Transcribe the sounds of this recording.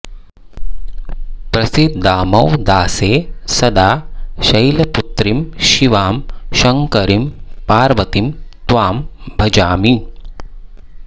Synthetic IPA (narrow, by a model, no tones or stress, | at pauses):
pɾɐsit̪̚d̪aːmɐwd̪aːseːsɐd̪aːʃɐjlɐput̪ɾimʃiʋaːmʃɐŋkɐɾimpaːɾʋɐt̪imt̪ʋaːmbʱɐd͡ʒaːmi